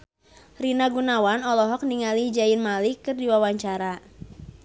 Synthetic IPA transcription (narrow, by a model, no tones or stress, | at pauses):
rinaɡunawanɔlɔɦɔk̚niŋalid͡ʒainmalikɨrdiwawaɲt͡ʃaɾa